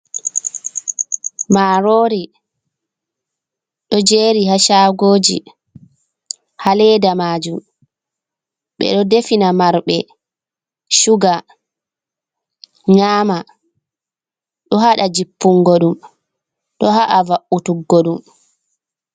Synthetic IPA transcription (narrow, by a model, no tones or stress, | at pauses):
maːɾoːɾi | ɗɔd͡ʒeːɾihaʃaːɡoːd͡ʒḭ | halɛdamaːd͡ʒum | ɓɛ̰ɗɔdefinamaɾɓɛ | ʃuɡa | ɲaːma | ɗɔɦaɗad͡ʒipːuŋɡoɗum | ɗɔɦaʔavaʔutuɡːoɗum